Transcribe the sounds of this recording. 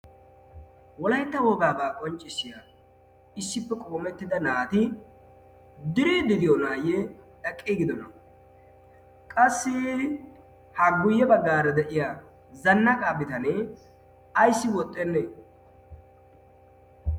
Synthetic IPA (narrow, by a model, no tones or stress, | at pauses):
wɔlɐjt̪ːɐwɔɡaːbaːkʼɔnt͡ʃʼːɪsːɪja | ɪsːɪpːɛkʼoːmɛt̪ːɪd̪ɐnaːt̪ɪ | d̪ɪɾiːd̪ɪd̪ɪjɔnaːjɛᶑɐkʼːiɡɪd̪ɔnɐ | kʼɐsːɪ | hɐɡʊjːɛbɐɡːaːɾɐd̪ɛʔɪja | zɐnːɐkʼaːbɪt̪ɐnɛ | ɐjsːɪwɔt̪ʼːɛnːɛ